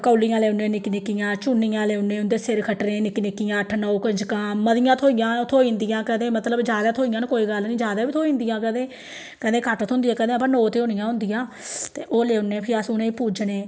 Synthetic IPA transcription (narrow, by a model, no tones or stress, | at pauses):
kəːlːijãːleːʊnẽːnɪknɪkːɪjãːt͡ʃʊnːɪjãːleːʊneːʊnd̪eːsɪɾkʰəʈɾẽːnɪknɪkːɪjãːəʈʰnəokəɲd͡ʒkãːməd̪ɪjãːt̪ʰoːijãːt̪ʰoːĩːnd̪ɪjãːkəd̪ẽːmət̪ləbd͡ʒaːd̪aːt̪ʰoːijãːnːkoːiːɡəlnĩːd͡ʒjaːd̪aːbiːt̪ʰoːĩːnd̪ijãːkəd̪ẽː | kə̃d̪ẽːkʰəʈt̪ʰõːnd̪ijãːkəd̪ẽːpãːnoːt̪eːonɪjãːɦʊ̃nd̪ɪjãːt̪eːʔoːleːʊnẽːpʰɪɾəsʊnẽːpuːd͡ʒneː